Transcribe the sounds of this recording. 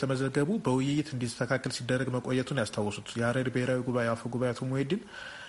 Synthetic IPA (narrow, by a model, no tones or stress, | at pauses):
t̪ʰəməzəɡːəβubəwʊjɪjɪt̪ɨnd̪it̪ʰəkʰakːəlsid̪ːərːəɡməkʼojɛt̪ʰunjast̪ʰawːɔsut̪jɛaɾəɾbəhe̞ɾawiɡuβaeafoɡuβajeat̪ʰomːuhed̪ɪn